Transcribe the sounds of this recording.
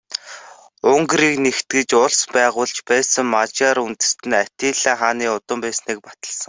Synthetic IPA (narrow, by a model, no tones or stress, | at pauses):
ʊŋɡɾiːknext̪ɡɘ̆t͡ɕʊɮspæːʁʊːɮt͡ɕpæːsə̆ŋmat͡ɕaːɾunt̪ɘ̆st̪ɘ̆nat̪iːɮaːχaːniːʊt̪ə̆mpæːsniːk̚pḁt̪ə̆ɮsə̆ŋ